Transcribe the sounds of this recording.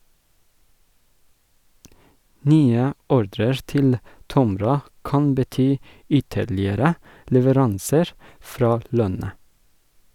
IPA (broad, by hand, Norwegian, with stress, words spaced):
ˈnyːə ˈɔɾdɾəɹ ˈtɪl ˈtɔmɾɑ ˈkɑn bəˈtyː ˈʏtəɭɪəɾə lɛʋəˈɾɑnsəɹ ˈfɾɑː ˈlœnə